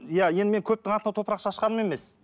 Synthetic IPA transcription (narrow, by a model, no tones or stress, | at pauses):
ijaje̞nd̪ɪme̞ŋkʲʰɵp̚t̪ɪŋɑt̪ənɑt̪ʰo̞pɾɑqʃɑːʃqɑɾəme̞me̞s